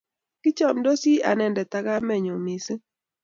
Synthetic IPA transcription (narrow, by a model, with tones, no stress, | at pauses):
ki˦t͡ʃɔ˦˨mdɔ˦si˦a̰˨nɛ˨ndɛ˨t̪a˦ɡa˦mɛ˨ɲo˨mi˨s